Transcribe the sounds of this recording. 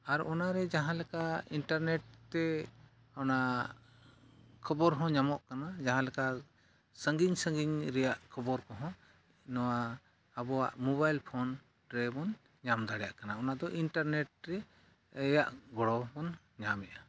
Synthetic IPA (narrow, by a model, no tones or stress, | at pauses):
aɾɔnaɾɛd͡ʒaɦãlɛkainʈaɾnɛʈ̚t̪ɛ | ɔna | kʰɔbɔɾɦɔ̃ɲamɔʔkanad͡ʒaɦãlɛka | səŋɡiɲsə̃ŋɡiɲɾɛjaʔkʰəbɔɾkɔɦɔ̃ | nɔwaː | bɔwa̰ʔmɔβajlpʰɔn | ʈɾɛbɔn | ɲamd̪aɽɛjaʔkanaɔnad̪ɔʔinʈaɾnɛʈ̚ɾɛ | əjaʔɡɔɽɔbɔn | ɲamɛʔa